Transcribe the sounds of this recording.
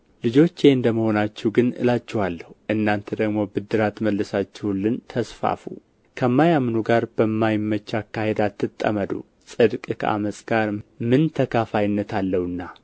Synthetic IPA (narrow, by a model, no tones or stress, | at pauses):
lɨd͡ʒo̞t͡ʃːjeɨnd̪əməho̞nat͡ʃːɛwɡɨnɨ̰lat͡ʃːɛhalːəhuʔɨnːant̪ʰəd̪əɡmo̞bɨd̪ːɨɾat̪məlːɨsat͡ʃːɛhlːɨnt̪ʰəsfa̰fṵ | kʰəmːajamːnuɡaɾbəmːajɪmːət͡ʃːakːahe̞d̪at̪ʰːɨt̪ʼːə̰məd̪ṵ | sʼɨd̪kʼkʰəʔa̰məsʼɡ̥aɾmɨnt̪ʰəkʰafajɪnːət̪ʰalːəhɨnːa